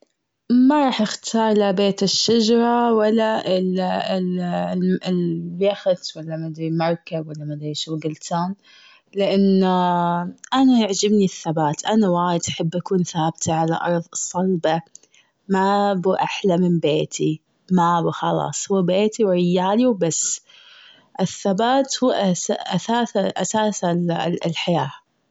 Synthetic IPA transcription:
maɾˤɑːħʔɪxt̪ʰɑːɾˤlabeːt̪ɪʃːad͡ʒɑɾˤɑwalːaɪl | bjaxt̪walːamad̪ɾimɑɾˤkabwalːamad̪ɾiʃuwɡɪlt̪ʰaːn | lɪʔanː | ʔanaʔaʕd͡ʒɪbniθːabaːt̪ʔanawaːjɪd̪ʔaħɪbːʔakuːnθaːbt̪ʰaʕala̰ʔɑ̰ɾˤðˤɨsˤːɑlba | mabʔaħlamɪnbeːt̪ʰi | mabxɑlɑ̰ːsˤhʊwːabeːt̪iwɾɪjːaːliwbasː | ʔɪθːabaːt̪huːʔaʔasaːsaʔa̰saːsalħajaː

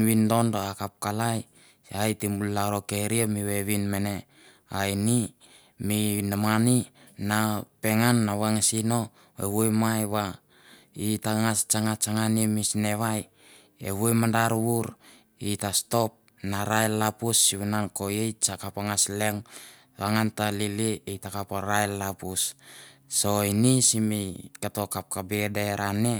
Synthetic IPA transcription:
windo̞ndoakap̚kalaj | ajtimbullaɾokeɾiamiβeβinmene̞ | aini | minamani | nape̞ŋanːaβaŋasino̞ | ḛβujmajβa | itaŋast͡ʃaŋat͡ʃaŋanimisne̞βaj | ḛβujmandaɾwuɾ | itasto̞p̚ | naɾajlːapusːiβinanko̞jejt͡ʃakapaŋasleŋ | βaŋantaliliijtakapaɾajlːapusː | o̞inisimikato̞kap̚kabedeɾʔane

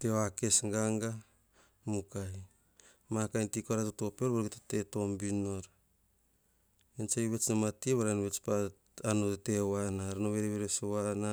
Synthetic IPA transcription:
teake̞sŋɡaŋɡa | mukaj | makajntikoaɾatoto̞peɾβaɾɡetate̞to̞mbino̞ɾ | ensajβe̞t͡ʃnamatieβaɾanβet͡ʃpa | anotte̞wanaɾanoβeɾeβeɾesowana

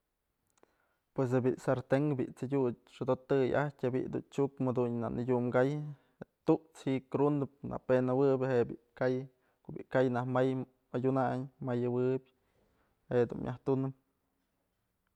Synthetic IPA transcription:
pwes̬ebiʔsaɾt̪eŋkbḭʔt͡sadʲu | ʂɨd̪ot̪ɨja̰htʲabḭʔd̪ṵnt͡ʃukmed̪unna̰ʔnʔidʲumɡaj | et̪uʔt͡shiʔkɾund̪ɨp̚na̰penawɨbʲheʔbiʔkaj | kobḭʔkajnahmaj | ajʲunaɲmajawɨbʲ | hed̪ṵnmjʔa̰ht̪unɨm

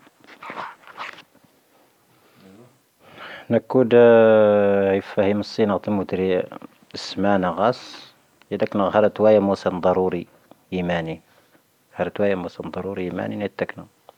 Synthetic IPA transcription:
nəkːud̪ | jəfæhiməsˤːinəɣt̪əmut̪ɾi | əsmænaɣɑs | jæd̪æknəɣhɑɾˤt̪wæjæmusənd̪ˤɑɾuɾi | imæni | ɣhɑɾˤt̪wæjæmusənd̪ˤɑɾˤuɾiimæ̰ninæt̪ːæknu

